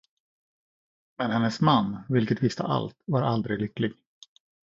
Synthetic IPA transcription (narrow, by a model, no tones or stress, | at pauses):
mɛnhɛnːəsmanːvɪlkət̪vɪst̪ʰa̰ʔa̰lt̪vaɾʔa̰ld̪ɾɪlʏklɪɡ